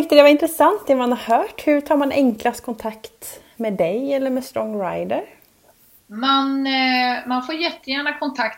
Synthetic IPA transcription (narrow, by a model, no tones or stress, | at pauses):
ɪŋkt̪əd̪ɛvaɾɪnt̪ɾəsant̪ɪmanhaɾhœːʈhɵʈʰɑːɾmanʔɛŋklast̪kʰɔnt̪ʰakt̪ | meːd̪ɛjɛlːəɾmɛst̪ɾɔŋːɾaɪd̪əɾ | man | manfoːɾjɛt̪ːəjæːɳakʰɔnt̪ʰakt̪